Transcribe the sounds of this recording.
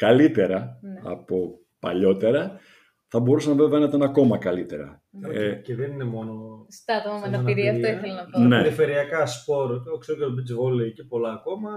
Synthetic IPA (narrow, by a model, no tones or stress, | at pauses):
kɐlit̪e̞ɾɐɐ̰po̞ | pɐ̰ʎo̞t̪e̞ɾɐ | θɐbo̞ɾusɐnɐve̞veɐnɐit̪ɐnɐko̞mɐkɐlit̪e̞ɾɐ̰ | ceðeninemo̞nost̪ɐt̪omɐmɐnɐniɾiɐft̪oiθelɐnɐneiɐfeɾiɐkɐspo̞ɾot̪ioksokot̪obid͡zvolecepo̞lɐːko̞mɐ